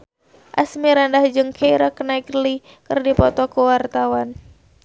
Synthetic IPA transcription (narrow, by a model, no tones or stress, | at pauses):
ʔa̰smiɾandahd͡ʒɨŋkʰeiɾaknaikli | kɨrdipɔt̪ɔkuwart̪awan